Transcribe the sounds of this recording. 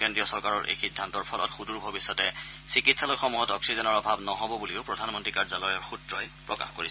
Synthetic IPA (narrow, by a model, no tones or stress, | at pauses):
kendɹijɔsɔɹkaɹɔɹʔḛjxidʱːantɔɹpʰɔlɔ̰txuduɹbʱɔbisːɔtɛ | sikitsalɔjxɔmuɦɔtɔksizɔnɔɹɔbʱabnɔɦɔbɔbuliʊpɹɔdʱanmɔntɹikaɹzalɔjɔɹxutɹɔjpɹɔka̰xko̰ɹisɛ